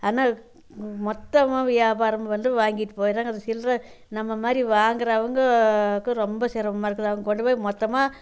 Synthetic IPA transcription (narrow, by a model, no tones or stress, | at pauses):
aːnaː | mɔt̪ːɐmaːʋɪjaːbaːɾɐmɐʋɐnd̪ɯʋaːŋɡɪʈːɯ̥poːjɾaːŋɡɐðɯsɪlɾɐ | nɐmːɐmaːd̪ɾiʋaːŋɡɪɾɐːʋɐŋɡɐkːɯɾɔmbɐsɪɾɐʋɐmaːɪɾɯkːɐðɐʋɐŋɡɐkɔɳɖɯpoːmɔt̪ːɐmaː